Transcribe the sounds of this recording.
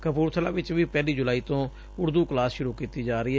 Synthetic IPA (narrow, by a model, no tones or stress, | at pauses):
kəpuːɾt̪ʰəlaːʋɪt͡ʃʋiːpɛːliːd͡ʒʊlaːiːt̪õː | ʊɾd̪uːklaːsʃʊɾuːkiːt̪iːd͡ʒaːɾəiːɦɛ